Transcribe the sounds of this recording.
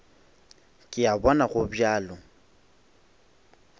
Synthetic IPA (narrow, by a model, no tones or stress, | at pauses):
kʼɪabɔnaɣʊbjaːlɔ